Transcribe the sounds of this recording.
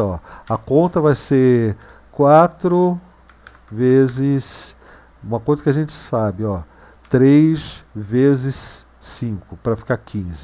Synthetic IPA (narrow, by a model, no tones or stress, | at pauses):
ɔɐkõnt̪ɾɐvajseɾ | kwat̪ɾʊ | vezɪs | ũmɐkojzɐkɪaʒẽnt͡ʃɪ̥sabɪɔ | t̪ɾejsvezɪsː | ĩkʊpɾɐfi̥kakĩzɪ